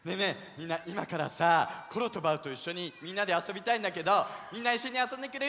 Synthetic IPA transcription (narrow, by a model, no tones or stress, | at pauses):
ne̞ne̞ | mʲĩnːaʔimakaɾa̰sako̞ɾo̞t̪o̞baɯ̟t̪o̞iɕːo̞ɲ̟imʲĩnːad̪e̞aso̞bʲit̪aĩnd̪ake̞d̪o̞mʲĩnːaiɕːo̞ɲ̟iasõnd̪e̞kɯ̟ɾe̞